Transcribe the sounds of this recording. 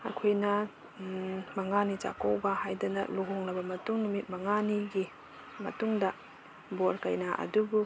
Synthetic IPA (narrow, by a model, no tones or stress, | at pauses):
ɐ̰kʰojnɐ | mɐŋanit͡ʃa̰kowbɐhajdɐnɐ̰luɦoŋlɐbɐmɐtuŋnumit̚mɐŋaniɡi | mɐ̰tuŋdɐ | boɾkɐjnaʔɐ̰dubu